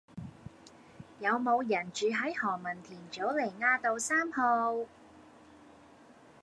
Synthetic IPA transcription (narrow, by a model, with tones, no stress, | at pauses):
jɐ˨˧wmo˨˧wjɐ˨˩nt͡ʃyː˨˧ɦɐ˨˥jhɔː˨˩ŋmɐ˨˩nt̪ʰiː˨˩nt͡ʃo˨˥wle˨˩jŋaː˧t̪o˨˧wsaː˥mho˧w